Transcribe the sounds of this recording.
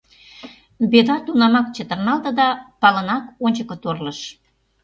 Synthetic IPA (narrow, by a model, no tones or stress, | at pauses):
yβed̪ɑt̪unɑmɑk̚t͡ɕə̆t̪ə̆rnɑlt̪ə̆d̪ɑpɑlənɑkonʲt͡ɕəkə̆t̪orləʃ